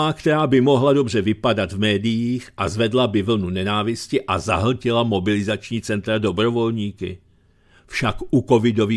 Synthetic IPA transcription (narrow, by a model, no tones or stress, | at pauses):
akt̪ɛɾaːbɪmo̞ɦlado̞br̝ɛvɪpadat̪vmɛːdɪjiːxʔazvɛdlabɪvl̩nunɛnaːvɪscɪʔaza̰ɦl̩cɪlamo̞bɪlɪzat͡ʃɲiːt͡sɛnt̪ɾado̞bɾo̞vo̞lɲiːkɪ̰ | fʃakʔuko̞vɪdo̞viː